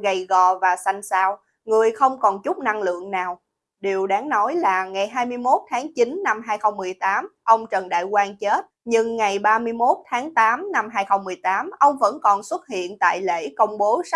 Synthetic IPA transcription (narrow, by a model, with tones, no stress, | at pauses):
ɣə˨˩jɣɔ̰˧˨vaː˨˩sa˧jŋ̟saː˧w | ŋɨ˨˩əjxə˧wŋ͡mkɔ˨˩nt͡ɕʊ˦˥k͡p̚na˧ŋlɨ̰˧˨əŋnaː˨˩w | ɗi˨˩əwɗaː˨˦ŋnɔ˨˦jlaː˨˩ŋa˨˩jɦaː˧jmɨ˧əjmo˦˥t̚t̪ʰaː˨˦ŋt͡ɕi˨˦nna˧mɦaː˧jxə˧wŋ͡mmɨ˨˩əjt̪aː˨˦mʔə˧wŋ͡mt͡ɕə˨˩nɗa̰ː˧˨jkwaː˧nt͡ɕe˦˥t̚ɲɨ˧ŋŋa˨˩jɓaː˧mɨ˧əjmo˦˥t̚t̪ʰaː˨˦ŋt̪aː˨˦mna˧mɦaː˧jxə˧wŋ͡mmɨ˨˩əjt̪aː˨˦mʔə˧wŋ͡mvə̰˧˥nkɔ˨˩nswə˦˥t̚hḭ˧˨ənt̪a̰ː˧˨jlḛ˧˥kə˧wŋ͡mɓo˨˦sa˦˥